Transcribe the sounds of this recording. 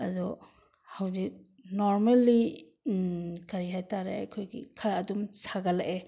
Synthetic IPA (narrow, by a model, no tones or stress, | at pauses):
ɐdɔ | hawzik̚ | nɔɾmalːi | kaɾiɦajtʰaɾḛakʰojɡḭkʰaɾaːdumsaɡalaʔe